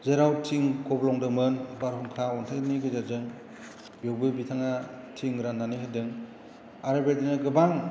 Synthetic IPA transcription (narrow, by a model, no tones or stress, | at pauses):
zeɾawtʰiŋkʰɔblɔŋdɯŋmɯnbaɾɦuŋkʰaɔntʰajniɡɯzazɯŋ | bewbɯbitʰaŋatʰiŋɾanːaniɦadɯŋ | aɾɯbeɾdinɯɡɯbaŋ